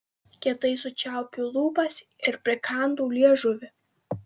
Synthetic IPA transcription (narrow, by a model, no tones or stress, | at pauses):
kʲɛt̪ɐɪsʊt͡ʃʲæˑʊpʲulˠuːbɐs | ɪɾpʲɾʲɪkʰɑˑnd̪uːlʲiɛʒʊʋʲɪ